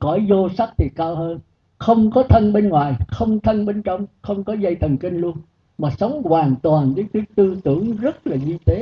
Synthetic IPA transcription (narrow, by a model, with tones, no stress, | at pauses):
kɔ˧˩˦jzo˧sa˦˥t̚t̪ʰi˨˩kaː˧whəː˧n | xə˧wŋ͡mkɔ˨˦t̪ʰə˧nɓe˧nŋwaː˨˩jxə˧wŋ͡mt̪ʰə˧nɓe˧nt͡ɕɔ˧wŋ͡mxə˧wŋ͡mkɔ˨˦zə˧jt̪ʰə˨˩nkï˧ŋ̟lu˧ən | maː˨˩sə˨˦wŋ͡mkwaː˨˩nt̪waː˨˩nɗe˨˦t̪i˨˦ət̪ɨ˧t̪ɨ˧˩əŋzə˦˥t̚laː˨˩ɲi˧t̪e˨˦